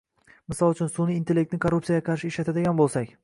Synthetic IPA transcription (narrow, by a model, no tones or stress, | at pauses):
mɪsɒlˠʊt͡ʃʰʊnsunɪːnt̪elʲek̚t̪nɪkʰoɾːupsijajaqʰɑɾʃɪːʃlat̪ad̪eɡʲanbolˠsakʲ